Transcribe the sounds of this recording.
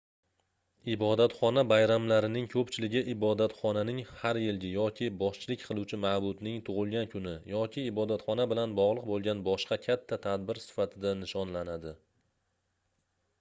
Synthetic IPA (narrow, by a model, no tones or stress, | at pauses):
ɪbɒd̪at̪χɒnabajɾamlaɾɪnɪŋkʰɵpt͡ʃʰɪlɪɡʲɪʔɪbɒd̪at̪χɒnanɪŋhaɾjɪlɡʲɪjɒkʲʰɪbɒʃt͡ʃʰɪlɪkʲqʰɨlˠuwt͡ʃʰɪmabʊd̪nɪŋt̪ʰʊʁɨlˠɡʲankʰʊnɪjɒkʲʰɪːbɒd̪at̪χɒnabɪlanbɒʁlˠɨq̚bolˠɡʲanbɒʃqɑkʲʰat̪ʰːat̪ʰad̪bɪɾsɪ̥fat̪ʰɪd̪anɪʃɒnlanad̪ɪ